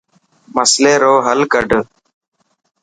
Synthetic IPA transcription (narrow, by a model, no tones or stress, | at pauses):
məsleːɾoːɦəlkəɖʱ